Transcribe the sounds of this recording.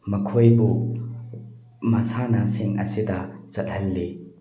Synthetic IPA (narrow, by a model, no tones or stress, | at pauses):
mɐkʰojbu | masanasiŋɐ̰sidazɐt̚hɐlːi